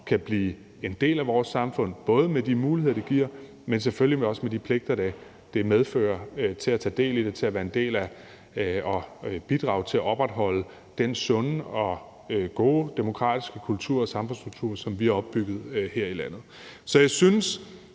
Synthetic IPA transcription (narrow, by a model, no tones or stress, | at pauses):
kʰæb̥lḭː | e̝nd̥e̝̰ːlæʋɒːsɑ̈mfɔ̽n̰b̥ɔ̽ːð̞ˠəmed̥imuːlihḛɐd̥iɡ̥iɐ̰ | mens̬eføllimeɒ̽smed̥ipʰle̝ɡ̥̚d̥ɐd̥æ | d̥e̝með̞ˠfø̰ːɐt͡sʰe̝læt͡sʰɛ̰ːd̥e̝̰ːlid̥et͡sʰe̝læʋæːɐe̝nd̥e̝̰ːlæ | ɒb̥id̥ʁɑ̈ʊt͡sʰe̝læɒ̽b̥ʁad̥ɦɒ̽l̰ə | d̥ensɔ̽nəɒ̽ | ɡ̥o̝̰ːd̥emo̝kʰʁɑ̰̈ːd̥isɡ̥əkʰult͡sʰuɐ̰ɒsɑ̈mfnsd̥ʁuɡ̥̚t͡sʰuɐ̰sɒ̽mʋiæɒ̽b̥ːyɡ̥ð̞̩ˠheɐ̰ilæn̰ð̞̩ˠ | sɒ̽jɑɪsyns